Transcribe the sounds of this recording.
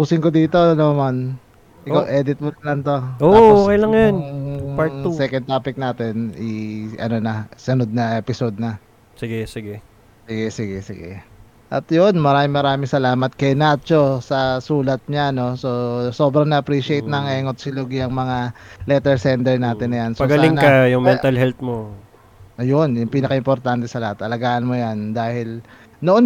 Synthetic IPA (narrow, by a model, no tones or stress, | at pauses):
puːsɪŋkod̪iːt̪onoman | ʔɪkaʔɛd̪ɪt̪̚monlɐŋt̪ookɐjlaŋjonpaɛkɐn̚t̪aːpɪk̚naːt̪ɛniʔɐ̰nonɐsɐnod̪̚nɐʔɛpɪsod̪̚nɐ | sɪɡɛsɪɡɛ | sɪɡɛsɪɡɛsɪ̰ɡɛ̰ | ʔɐ̰t̪jonmɐɾaːmɪŋmɐɾaːmɪŋsɐlaːmɐt̪̚kɐjnat͡ʃo̞sɐsuːlɐt̪̚ɲano̞so̞so̞bɾɐŋnɐʔɐpɾiʃɪejt̪nɐŋɛŋot̪̚sɪloɡjɐŋmɐŋalɛt̪ɛɹsɛnt̪ɛɹnaːt̪ɪnːɐjansoɐɡɐlaɪŋnkɐjʊŋmɛnt̪ɐlɦɛlt̪̚mo | ʔɐjonjʊŋpiːnɐkɐɪmpo̞ɾt̪ant̪ɛsɐlɐhat̪ʔɐlɐɡaːʔɐnmojand̪aːhɪl | noʔon